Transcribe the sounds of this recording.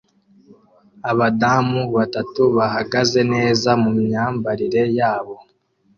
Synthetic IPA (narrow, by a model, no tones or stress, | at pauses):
aβadamuβatatuβahaɡaze̞ne̞ːzamumɲaːmbaɾiɾe̞jaːβo̞